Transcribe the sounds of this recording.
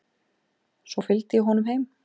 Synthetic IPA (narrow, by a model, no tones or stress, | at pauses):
sɔfɪlt̪ɪjɪɦɔnʏmɦejm